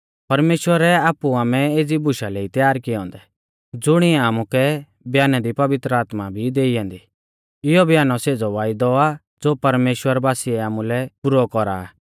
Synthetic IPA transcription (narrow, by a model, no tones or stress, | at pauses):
pɐɾmeːʃwəɾɛaːpuaːmɛeːd͡zibʊʃalɛit̪jaːɾkɪɔ̃ːnd̪ɛ | d͡zʊɽ̃iɛaːmukɛ | bʱjaːnad̪ipɐʋɪt̪ɾəaːt̪mabʱid̪eːijãːnd̪i | ɪjɔbʱjaːnɔseːd͡zɔʋaːɪd̪ɔa | d͡zoːpɐɾmeːʃwəɾbaːsiɛaːmulɛpʊɾɔkɔɾa̰